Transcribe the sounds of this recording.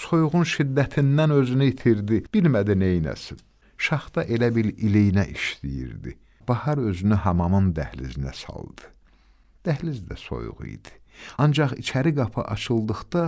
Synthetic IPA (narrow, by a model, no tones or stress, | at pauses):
so̞juʁunʃid̪ːæt̪ʰind̪ænø̞zynyit̪ʰiɾd̪ib̥ilmæd̪inejnæ̰sin | ʃɑχd̪ɑʔe̞læbiɾilijnæʔiʃlḭjḭɾd̪ḭ | b̥ɑhɑɾø̞zynyɦɑmɑmɯnd̪æhlḭzinæ̰sɑ̰lˠd̪̥ɯ̥ | d̪̥æhlizd̪æso̞̰jṵʁṵḭd̪̥i̥ | ɑnd͡ʒɑχḭt͡ʃʰæɾiɡɑpʰɯ̰ʔɑt͡ʃʰɯlˠd̪ɯχd̪̥ɑ